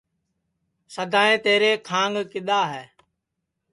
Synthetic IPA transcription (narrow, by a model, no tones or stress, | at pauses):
səd̪ʱaːẽːt̪eːɾeːkʰãːŋɡkɪɗ̪aːɦɛː